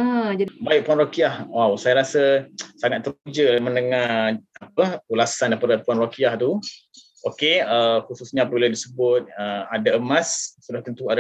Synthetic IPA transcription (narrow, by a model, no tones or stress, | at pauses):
əd͡ʒadibaɪʔ̚puanrokiahwawsajaɾasəsaŋat̪̚ːəɾud͡ʒəmənəŋahapəulasandapaɾapuanrokiaht̪u | ʔokeəxususɲaːpəbiladisəbʊt̪̚əadaəmãssudaht̪ənt̪uada